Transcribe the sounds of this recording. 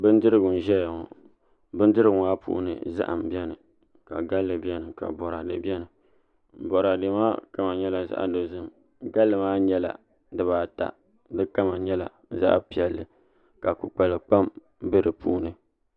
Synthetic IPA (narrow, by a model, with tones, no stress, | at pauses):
bɨ˦n˦dɨ˦ɾɨ˦ɡʊ˨n˨ʒɛ˦ja˨ŋɔ̰˨ | bɨ˦n˦dɨ˦ɾɨ˦ɡŋa˦pṵ˦ʔṵ˦nɨ̰˨za̰˦ʔa̰˨m̩˨bjɛ˦nɨ˨ | ka̰˨ɡa˦lːɨ˨bɛ˦nɨ˨ka̰˨bɔ˨ɾa˨dɨ˨bɛ˦nɨ˨ | bɔ˨ɾa˨de˨maː˦ka˦ma˨ɲɛ˦la˨za̰˦ʔdo˨zɨ˦m | ɡa˦lːɨ˨maː˦ɲɛ˦la̰˨ | dɨ˦βaː˨˦ta̰˨ | dɨ˦ka˦ma˨ɲɛ˦la̰˨ | za̰˦ʔpi˨ɛ˨lːɨ˨ | ka˨ku˨k͡pa˨lɨ˨k͡pa˦m | bɨ˦ɾɨ˨pu˦ʔu˦nɨ˨